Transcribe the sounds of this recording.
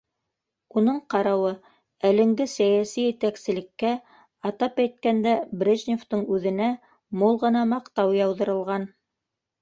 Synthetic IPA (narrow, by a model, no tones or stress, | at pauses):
unɤɴqɑɾɑwɤ | ælɘ̆ŋɡɘsæjæsijɘ̆t̪æksɘ̆lɘ̆kːæ | ɑt̪ɑpæjt̪̚kænd̪æbrʲeʒnʲeft̪ɤɴʉðɘ̆næ | molˠʁɤ̆nɑmɑqt̪ɑwjɑwðɤ̆ɾɤ̆lˠʁɑn